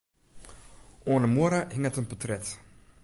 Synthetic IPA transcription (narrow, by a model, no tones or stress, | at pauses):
oːləmuəɾaɦɪŋətənpɔtrɛt